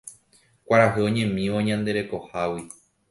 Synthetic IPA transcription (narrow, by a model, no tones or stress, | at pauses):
kʷaɾaɦɨõ̞ɲẽ̞mĩʋoɲãnd̪e̞ɾe̞ko̞hawi